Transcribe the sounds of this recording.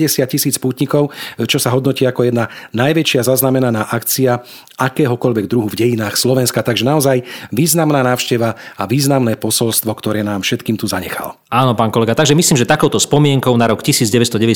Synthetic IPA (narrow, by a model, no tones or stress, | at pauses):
ɛsɪat̪̚cisiːt͡spuːt̪ɲikɔʊt͡ʃɔsaɦɔd̪nɔciːakɔjɛd̪nanajʋɛt͡ʃɪazaznamɛnanaːʔakt͡sia | ʔakɛːɦɔkɔʎʋɛɡ̚d̪ɾuɦuvɟɛjinaːxslɔʋɛnskat̪aɡʒɛnaɔzajʋiːznamnaːnaːʊʃcɛʋaaʋiːznamnɛːpɔsɔlst̪ʋɔkt̪ɔɾɛːnaːmfʃɛt̪kiːmt̪uzaɲɛ̰xa̰l | aːnɔpaːnkɔlɛɡat̪aɡʒɛmisliːmʒɛt̪akɔʊt̪ɔspɔmɪɛŋkɔʊnaɾɔkcisiːd͡zɟɛʋɛst̪ɔɟɛʋɛ